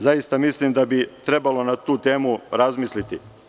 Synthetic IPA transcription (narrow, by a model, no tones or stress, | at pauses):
zajist̪amislimd̪abit̪ɾe̞balo̞nat̪uːt̪e̞ːmuɾazmiːslit̪i